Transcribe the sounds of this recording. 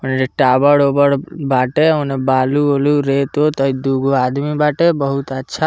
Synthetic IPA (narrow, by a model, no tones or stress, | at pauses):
əned͡ʒeʈabəɽobəɽbaʈeə̃nebaluoluɾet̪ot̪əid̪uɡoad̪mibaʈebəɦut̪ətːʃʰa